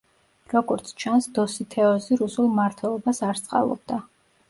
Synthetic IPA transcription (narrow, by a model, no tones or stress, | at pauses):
ɾɔɡɔɾt̪sʰt͡ʃʰansd̪ɔsit̪ʰɛɔziɾusulˠmaɾt̪ʰwɛlˠɔbasaɾst̪sʼqʼa̰lˠɔ̰b̚d̪a